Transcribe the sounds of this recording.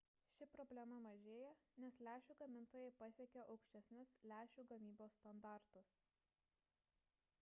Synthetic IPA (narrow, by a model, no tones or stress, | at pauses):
ʃʲɪpɾɔbʲlʲɛmɐmɐʒʲeːjɛnʲɛslʲæːʃʲuːɡɐmʲɪnˑt̪oːjɛɪpɐsʲeɛkʲoʔɒʊkʃʲt̪ʲɛsʲnʲʊslʲæːʃʲuːɡɐmʲiːboːsːt̪ɐnd̪ɑˑɾt̪ʊs